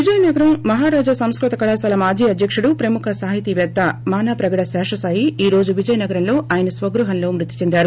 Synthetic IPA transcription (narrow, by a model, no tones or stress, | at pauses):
ʋid͡ʒɐjɐnɐɡɐɾɐmːɐɦaːɾaːd͡ʒasɐmskɾut̪ɐkɐɭaːsaːlɐmaːd͡ʒiːɐd̪jɐkʂuɽupɾɐmukʰɐsaːɦit̪iʋɛːd̪ɐmaːnaːpɾɐɡɐɽɐsɛːʂɐsaːjiiːɾo̞ːd͡ʒuʋid͡ʒɐjɐnɐɡɐɾɐnlo̞ːʔaːjɐnɐsʋɐɡɾuɦɐnlo̞ːmɾut̪ːi̥t͡ʃe̞nd̪aːɾu